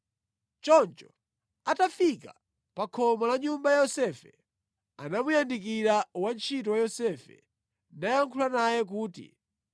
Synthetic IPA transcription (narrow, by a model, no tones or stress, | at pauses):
t͡ʃɔnt͡ʃɔ̥ | atafika | pakʰɔmɔlaɲumbajajɔsɛfɛ | anamujandik̬iɾawant͡ʃʰitɔwajɔsɛfɛ̰ | ndajaŋkʰulanajɛk̬uːtḭ